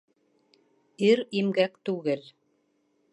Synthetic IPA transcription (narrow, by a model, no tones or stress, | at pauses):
iɾimɡækt̪ʉɣɘl